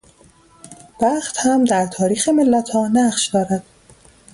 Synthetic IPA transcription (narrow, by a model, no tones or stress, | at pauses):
b̥æχt̪hæmd̪æɾt̪ʰɒːɾiːxemelːæt̪ʰhɒːnæɢʃd̪ɒːɾæd̪̥